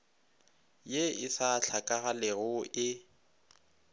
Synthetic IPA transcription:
jeɪsaɬʰakʼaɣalɪɣʊʔɪ

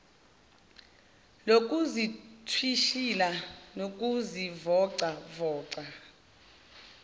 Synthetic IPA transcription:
lok̬ʼuzitʰwiʃilanok̬ʼuzivɔǀavɔːǀa

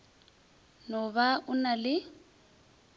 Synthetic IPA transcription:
nɔβaʔʊnalɪ

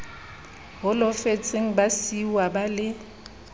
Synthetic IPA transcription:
ɦʊlɔfet͡sʼeŋ̩basiwabalɪ

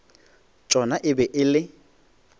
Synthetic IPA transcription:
t͡ʃʼɔnaʔɪbɛʔɪlɪ

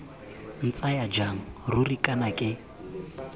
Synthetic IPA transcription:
n̩t͡sʼajad͡ʒaŋ̩rʊrikʼanakʼɪ

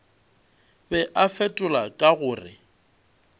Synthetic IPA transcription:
bɛʔafɛtʼʊlakʼaɣʊːrɪ̰

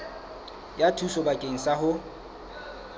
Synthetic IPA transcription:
jatʰusɔbakʼeŋ̩sahʊ

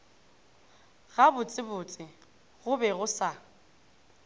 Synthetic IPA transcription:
ɣabʊt͡sʼɪbʊt͡sʼɪ | ɣʊbɛɣʊsa

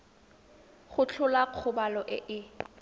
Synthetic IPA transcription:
χʊt͡ɬʰʊlaq͡χʰʊbalɔʔɪ̰ʔɪ

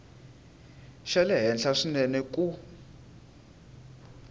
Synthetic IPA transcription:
ʃɛlɛɦɛnɬaʂinɛnɛkʼu

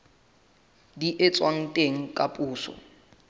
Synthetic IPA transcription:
diʔet͡sʼwaŋ̩tʼeŋ̩kʼapʼuːsɔ̰

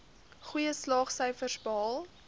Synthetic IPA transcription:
χujəslɑːχsəjfərsbəɦɑːlˠ

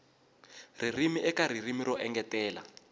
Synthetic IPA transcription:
ririmiʔɛkaɾ̤irimiɾɔʔɛŋɡɛtɛːla̰

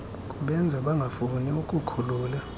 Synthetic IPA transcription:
kʼuɓɛnd͡zʱaɓaŋɡʱafuniukʼukʰuluːla

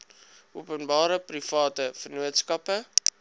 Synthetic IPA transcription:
ʔuəpənbɑːɾəprifɑːtəfərnuətskɐpə

